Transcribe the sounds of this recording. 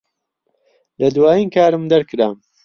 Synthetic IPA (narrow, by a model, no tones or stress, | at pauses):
lɐd̪waːjiːnkʰaːɾɨmd̪ɐɾkɨɾaːm